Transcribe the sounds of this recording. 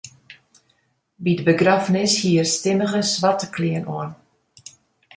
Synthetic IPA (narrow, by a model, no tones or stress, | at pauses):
bidəbəɡrafnɪshiərstɪməɣəsʋatəkʰliənʔoən